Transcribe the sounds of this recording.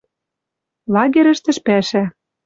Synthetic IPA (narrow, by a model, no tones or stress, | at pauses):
lɑɣʲeɾɘ̆ʃt̪ɘ̆ʃpæʃæ